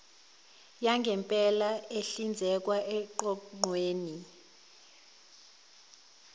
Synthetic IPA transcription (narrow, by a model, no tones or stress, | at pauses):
jaŋɡʱɛmpʼɛlaeɬind͡zʱɛk̬waʔɛǃɔŋ͡ǃweːni